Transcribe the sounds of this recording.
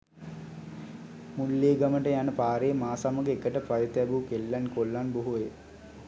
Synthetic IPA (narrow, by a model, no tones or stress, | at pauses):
mulːeːɡaməʈəjanəpaːɾeːmaːsaməɡəekəʈəpajət̪ɛbukelːænkolːanboɦuʋe